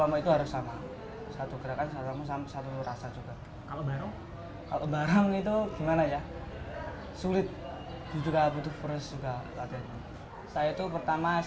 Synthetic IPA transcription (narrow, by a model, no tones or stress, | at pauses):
amait̪uɦaɾʊsːama | sat̪uɡəɾakansasamasamsat̪uɾasad͡ʒuɡa | kalabaɾaŋ | kalabaɾaŋit̪̬uɡimanaja | sulɪt̪̚ | d̥ud͡ʒukabut̪ʊfəɾəsd͡ʒuɡalat̪iamu | sajait̪upərt̪ama